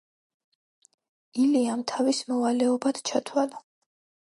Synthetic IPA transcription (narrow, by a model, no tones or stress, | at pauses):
iliamt̪ʰavismɔvalɛɔbad̪t͡ʃʰat̪ʰwala